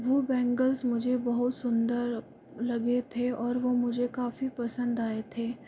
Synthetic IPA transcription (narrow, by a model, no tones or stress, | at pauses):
ʋoːbɛ̃ːŋɡəlzmʊd͡ʒʱebɐɦʊt̪sʊ̃nd̪əɾ | lɐɡet̪ʰeɔːɾʋomʊd͡ʒʱekaːfipɐsə̃nd̪aːet̪ʰeː